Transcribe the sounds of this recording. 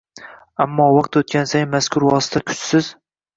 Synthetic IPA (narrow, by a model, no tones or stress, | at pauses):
amːɒːwɒq̚t̪ʰot̪̚kʲansajmaskʲʰʊɾwɒsɪ̥t̪ʰakʲʰʊ̥t͡ʃsɪz